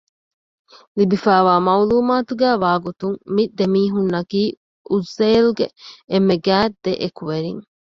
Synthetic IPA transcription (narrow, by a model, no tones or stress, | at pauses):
libifæːʋaːmɐuluːmaːt̪uɡæːʋaːɡut̪uŋmid̪emiːɦunːɐkiː | ʔuzːeːlɡeemːeɡæːt̪̚d̪eʔekuʋeɾḭŋ